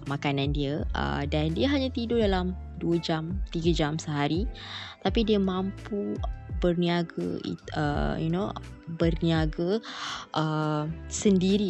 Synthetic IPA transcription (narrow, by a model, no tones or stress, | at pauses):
makanãndiəə̰dandiəɦaɲat̪idodalam | duəd͡ʒamt̪iɡəd͡ʒamsəɦaɾit̪apidiəmãmpubərniaɡə̰ḭə̰jṵnobərniaɡəʔəsəndiɾi